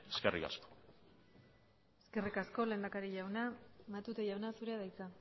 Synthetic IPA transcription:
eskerika̰sko̥ | eske̞rikasko̞le̞ːnd̪akaɾiʝawnamat̪ut̪eʝawnasuɾe̞aðajt͡sa

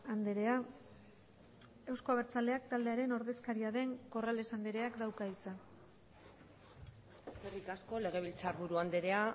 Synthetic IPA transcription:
and̪eɾe̞a | e̞wsko̞aβeɾt͡sale̞akt̪ald̪e̞aɾe̞no̞ɾðe̞skaɾiaðe̞ŋko̞rale̞sand̪eɾe̞akd̪awkait͡sa | eskerikasko̞le̞ɣ̞e̞β̞ilt͡saɾβuɾuand̪eɾe̞a

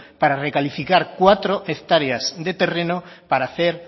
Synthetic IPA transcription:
paɾarekalifikaɾkwat̪ɾoʔekt̪aɾeazd̪et̪erenopaɾaθeɾ

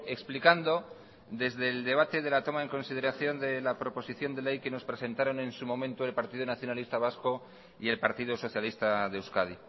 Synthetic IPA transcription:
e̞ksplikand̪o̞ | ðe̞zðe̞ld̪e̞β̞at̪e̞ðe̞lat̪o̞mae̞ŋko̞nsið̞e̞ɾaθjo̞nd̪e̞lapɾo̞po̞siθjo̞nd̪ele̞jke̞no̞spɾe̞se̞nt̪aɾo̞nẽ̞nsumõ̞mẽ̞nt̪oe̞lpaɾt̪iðonaθjo̞nalist̪aβ̞asko̞ | ie̞lpaɾt̪iðoso̞θjalist̪aðe̞ewskaði

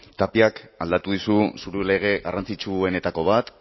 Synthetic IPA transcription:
t̪apiakald̪at̪uð̞ususuɾule̞ɣ̞e̞ɣarant͡sit͡ʃue̞ne̞t̪ako̞β̞at̪

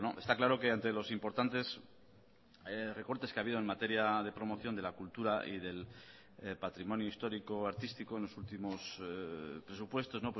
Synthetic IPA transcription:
noʔe̞st̪aklaɾo̞ke̞ant̪e̞lo̞simpo̞ɾt̪ant̪e̞s | re̞ko̞ɾt̪e̞skeaβiðo̞e̞nmat̪e̞ɾjað̞e̞pɾo̞mo̞θjo̞nd̪e̞lakult̪uɾaʔḭð̞e̞l | pat̪ɾimõ̞njoist̪o̞ɾiko̞aɾt̪ist̪ikoenlo̞sult̪imo̞s | pɾe̞supwe̞st̪o̞zno̞pw

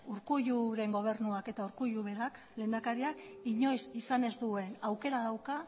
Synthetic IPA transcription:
uɾkujuɾe̞ŋɡo̞β̞e̞ɾnuake̞t̪auɾkujuβe̞ɾak | le̞ːnd̪akaɾiakiɲo̞sisane̞zd̪ue̞nawke̞ɾaðawka

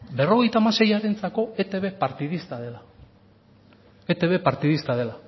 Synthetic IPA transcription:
be̞ro̞ɣ̞e̞jt̪aːmase̞jaɾe̞nt͡sako̞et̪eβe̞paɾt̪iðist̪aðela | et̪eβe̞paɾt̪iðist̪aðe̞la

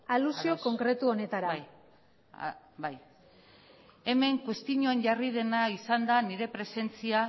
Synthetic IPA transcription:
alusio̞ko̞ŋkɾe̞t̪uone̞t̪aɾa | baj | e̞me̞ŋkwest̪iɲo̞enʝarið̞e̞naisand̪aniɾe̞pɾe̞se̞nt͡sia

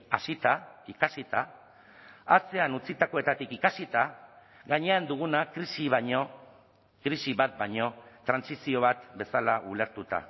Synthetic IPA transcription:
asit̪aikasit̪a | at͡se̞anut͡sit̪ako̞e̞t̪at̪ikikasit̪a | ɣaɲe̞and̪uɣ̞unakɾisiβɲo | kɾisiβat̪̚baɲo̞t̪ɾansisio̞β̞at̪be̞salaʔule̞ɾt̪ut̪a̰

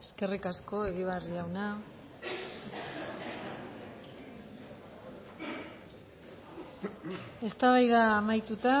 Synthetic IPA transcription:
eske̞rikasko̞e̞ɣiβariʝawna | e̞st̪aβajðaːmajt̪ut̪a

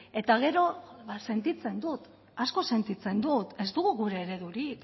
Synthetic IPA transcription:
e̞t̪aɣ̞e̞ɾo̞βase̞nt̪it͡se̞nd̪ut̪ | asko̞se̞nt̪it͡se̞nd̪ut̪e̞zd̪uɣuɣuɾe̞ːɾe̞ðuɾik

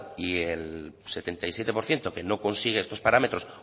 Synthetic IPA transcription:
ielse̞t̪e̞nt̪ajsje̞t̪e̞po̞ɾθje̞nt̪o̞ke̞no̞ko̞nsiɣ̞eest̪o̞spaɾame̞t̪ɾo̞s

